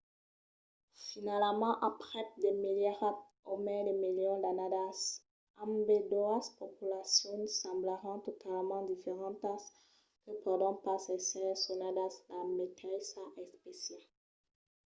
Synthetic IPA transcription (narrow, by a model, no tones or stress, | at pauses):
finalmɑ̃ʔapʁɛt̪̚d̪emiljaʁa | omɛd̪emiljɔ̃d̪anad̪as | ãmbed̪oaspopylasjɔ̃nsɑ̃blaʁɑ̃t̪ot̪ʰalmɑ̃d̪ifeʁɑ̃t̪as | kəpaʁd̪ɔ̃pasɛsɛsunad̪aslamet̪asaʔɛspesjal